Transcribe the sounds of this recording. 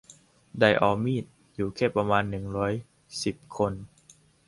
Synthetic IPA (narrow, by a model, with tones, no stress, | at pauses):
da˧˩jʔa˧˩wmiː˥˩t̪̚ | juː˨˩kʰɛː˥˩pːa˧maː˧nːɯ˨˩ŋɾɔː˦˥j | si˨˩p̚kʰo˧n